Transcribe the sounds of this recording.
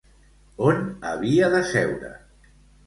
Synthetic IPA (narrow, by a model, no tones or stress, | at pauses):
onə̰β̞iaðəsɛwɾə̰